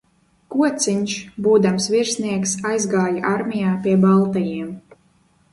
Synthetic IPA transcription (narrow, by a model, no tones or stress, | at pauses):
kuɔt̪siɲʲʃbuːd̪amsviɾsniɛksajzɡaːjaʔaɾmʲijaːpiɛbalˠt̪ajiɛm